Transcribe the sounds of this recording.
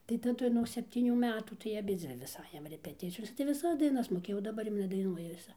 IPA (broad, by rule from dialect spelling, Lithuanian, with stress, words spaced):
tɐɪ tɐˈdʊ nuɔk sʲɛpʲˈtʲiːnʲuː ˈmʲæːtuː tɐɪ ɐˈbʲɪd͡zʲʋʲɪ ʋʲɪs ˈɑːjɛm rʲɛpʲɛˈtʲɪt͡sʲɪjoːsʲɛ tɐɪ ʋʲɪˈsɐs dɐɪˈnɐs moːˈkʲeːjɛʊ dɐˈbɐr jɛʊ nʲɛdɐɪˈnuɔjɛ ʋʲɪˈsɐɪ